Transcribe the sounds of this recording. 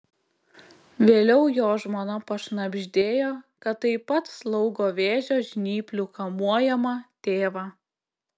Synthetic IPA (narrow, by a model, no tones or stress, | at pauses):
ʋʲeːlʲɛʊjoːʒmoːnɐpɐʃnɐbʲʒʲd̪ʲeːjoːkɐt̪ːɐɪpɐt̪slˠɒʊɡoːʋʲeːʒʲoːʒʲnʲiːpʲlʲʊkɐmuɔjɛmɐt̪ʲeːʋɑː